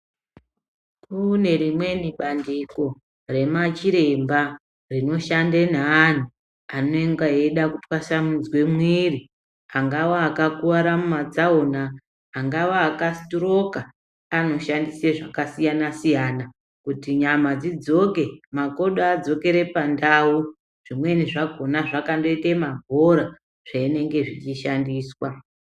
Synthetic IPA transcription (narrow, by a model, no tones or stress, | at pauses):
kune̞rimwe̞niɓandiko̞ | re̞mat͡ʃiɾe̞mba | rino̞ʃandenaːn̤u | ano̞eŋɡaeɗakutwaʃamud͡zwe̞mwiːri | aŋɡawaːkakuwaɾamumad͡zaonaː | ŋɡawaːkastoɾo̞ka | ano̞ʃandiseʐakasijanasijaːna | kutiɲamad͡zid͡zo̞ke̞mako̞ɗoad͡zo̞ke̞ɾe̞pandaːu | ʐ̥imwe̞niʐaɡʱo̞naʐakando̞itemabʱoɾa | ʐ̥aine̞ŋɡe̞ʐit͡ʃiʃandiːswa